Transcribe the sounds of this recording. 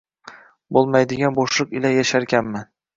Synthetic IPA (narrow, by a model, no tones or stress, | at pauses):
bolˠmajd̪ɪɡʲanboʃlˠɨqɪlajaʃaɾkʲanman